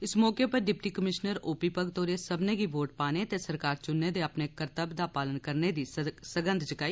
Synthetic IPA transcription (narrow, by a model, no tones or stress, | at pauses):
ɪsmɔːkepɐɾɖɪp̚ʈikəmɪʃnəɾoːpipəɡt̪oːɾesɐbneɡiboːʈ̚paːnet̪esɐɾkaːɾt͡ʃʊnːed̪eɐpnekəɾt̪əbd̪apaːlənkəɾned̪isəɡə̃nd̪ʱd͡ʒɪkaːiː